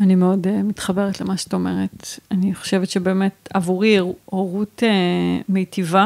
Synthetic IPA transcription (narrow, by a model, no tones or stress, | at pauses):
animeo̞demitχabe̞ʁetlemaʃe̥at̪aome̞ʁetaniχoʃe̞vetʃebe̞ːme̞tavuʁiuoʁutemejtiva